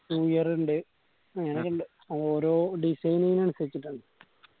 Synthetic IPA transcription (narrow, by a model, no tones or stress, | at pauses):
juːjɐruɳɖɨ | ɲɐnɐkːuɳɖɨ | ɐðo̞ːɾo̞ːɖisɐjnɐjinɐnusɐɾit͡ɕːiʈːuɳɖɨ